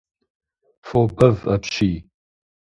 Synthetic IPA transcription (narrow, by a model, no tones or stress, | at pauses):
fobɐvɐpʃiː